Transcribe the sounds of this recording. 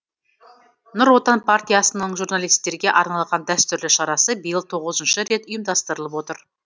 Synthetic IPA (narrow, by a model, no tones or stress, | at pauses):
nʊɾwo̞t̪ɑnpʰart̪ʲijasənəɴʒuɾnalˠijst̪e̞ɾɡʲe̞ʔɑɾnɑlˠʁɑnd̪æst̪ʏɾlɪʃɑɾɑsəbəjəlˠt̪ʰo̞ʁəzənʃəɾe̞t̪ʊjəmd̪ɑst̪əɾəlˠəpwo̞t̪əɾ